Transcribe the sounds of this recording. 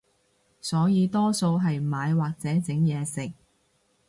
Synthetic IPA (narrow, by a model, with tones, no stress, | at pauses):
sɔː˨˥jiː˨˧t̪ɔː˥so˧wɦɐ˨jmaː˨˧jwaː˨k̚t͡sɛː˨˥t͡sɪ˨˥ŋjɛː˨˧sɪ˨k̚